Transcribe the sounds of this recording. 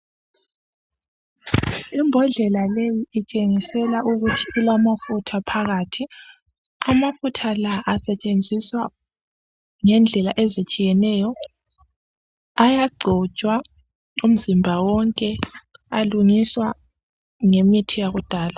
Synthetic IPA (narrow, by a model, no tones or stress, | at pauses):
imbʱɔɮɛlalejiit͡ʃʼeŋisɛlaʔuɣutʰiːlamafutʰapʰaɣatʰi | amafutʰalaʔasɛt͡ʃʼend͡zʱiswa | ŋɛnd͡ɮʱɛlaʔɛzit͡ʃʼijɛnɛjɔ | ajaɡ͡ǀʱɔ̥t͡ʃʼwa | um̩zimbʱawɔŋkʼɛaluŋiswa | ŋemitʰijaɣud̥ʱaːla